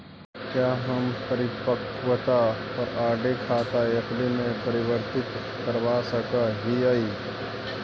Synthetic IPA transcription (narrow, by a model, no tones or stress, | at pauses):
kjaːɦɐmpɐɾɪpəkʋət̪aɔːɾaːɾɖekʰaːt̪aɐklimẽpɐɾɪʋəɾt̪ɪt̪ | kɐɾwaːsəkaɦiai